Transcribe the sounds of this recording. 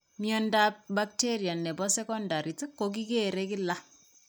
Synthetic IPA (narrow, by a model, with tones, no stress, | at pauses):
mjɔ˨nda˦p̚bak̚teɾja˨nːɛ˨bɔ˦sɛ˦kɔ˦nda˨ɾi˨tɨ˦kːo˦k̬i˦ke˦ɾe˦kɪ˦la˦